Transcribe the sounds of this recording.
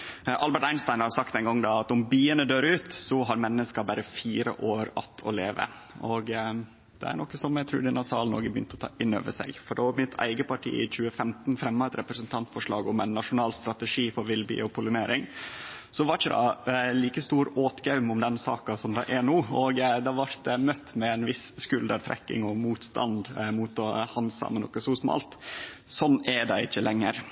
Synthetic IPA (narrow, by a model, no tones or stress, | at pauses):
ʔɑlbəʈæɪnst̪ɑɪnhɑsɑkt̪ɛɪnɡɔŋːd̪ɑɑt̪ʊmbiːənəd̪øːɾʉːt̪sɔɦɑɾmɛnːəskɑbæɾəfiːɾə̰ʔoːɾɑ̰t̪ʰːɔ̰leːʋə̰ | ɔɡ | d̪̥ɛ̰æ̰ɾɳɔkːəsɔmæɪt̪ʰɾʉ̰ːd̪ɪnːɑsɑːlnɔ̰ɾɡəbəjʏ̰nt̪əɔt̪ʰɑ̰ːʔɪnːø̰ːʋəʂɛ̰ɡfɔɖɛɑɾmɪt̪ʰæ̰ɪɡəpɑʈʰḭːɪ̰t͡ɕʉːəfɛmt̪n̩fɾɛmːɑɛt̪ɾɛpɾəsənt̪ʰɑnt̪fɔʂɭɑːɡʊmɛnːɑʂʊnɑːlst̪ɾɑt̪əʂiːfɔɾʋɪlbḭːɔpʰʊlʉneːɾɪŋsɔʋɑɾt͡ʃːəd̪ɑ̰liːkəst̪uːɾoːt̪ɡɑʉmʊmd̪ɛnsɑ̰ːkɑsɔmd̪ɑʔɛɳuːɔɡd̪ɑʋɑɾt̪ɛmœt̪ːmɛɛnʋɪsskʉld̪əɾt̪ʰɾɛ̰kːɪ̰ŋɔmuːt̪st̪ɑ̰nd̪muːt̪ɔhɑnsɑ̰mɛnɔ̰kːəsusmɑ̰ːlt̪sɔnːɛɖ̪ɛɪt͡ʃːəlɛŋːəɾ